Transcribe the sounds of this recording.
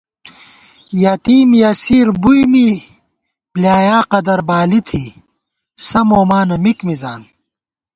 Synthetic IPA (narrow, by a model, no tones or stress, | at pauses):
jat̪iːmjɐsiːɾbujmi | pljaːjaːqɐd̪ɐɾbaːlit̪ʰi | sɐmoːmaːnɐmikmizaːn